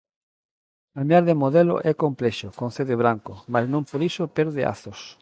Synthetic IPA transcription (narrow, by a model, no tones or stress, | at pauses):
kamjaɾðemoðelo̰ʔɛkomplɛʃokon̟θeðeβɾaŋkomaznõmpoɾisopɛɾðɪʔa̰θos